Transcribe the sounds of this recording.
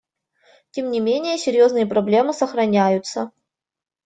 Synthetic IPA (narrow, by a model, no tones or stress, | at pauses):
tʲemnʲɪmʲenʲɪjəsʲɪɾʲjoznɨjəpɾɐblʲe̞mɨsəxɾɐnʲæjʊt̪sə